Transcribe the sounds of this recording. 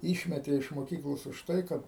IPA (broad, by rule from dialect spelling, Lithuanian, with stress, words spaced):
ˈiːʃʲmʲɛtʲeː ɪʃ moːˈkʲiːklˠoːs ʊʃ ˈtɐɪ ˈkɐt